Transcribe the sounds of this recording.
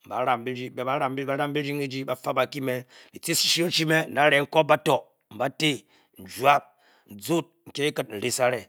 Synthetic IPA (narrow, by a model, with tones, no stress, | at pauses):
m̩˨ba̰˨˦ɾa˦mbi˦ɾi˦be˨ba˨˦ɾa˦mbi˦ba˦ɾa˦mbi˦ɾi˦ŋi˦d͡ʒi˦ba˦fa˦ba˨ki˦me˦ɾi˨ti˦si̥˨ʃi˦o˦t͡ʃi˦me˦n̩˨na˨˦ɾe˨ŋ̩˦ko˦p̚ba˦to˨ | m̩˨ba˦te˦ | n̩˨d͡ʒwa˦p̚ | n̩˨d͡zu˦t̚ŋ̩˨kʲe˦i˦kɨ˦t̚n̩˨ɾi˦sa˦ɾe˨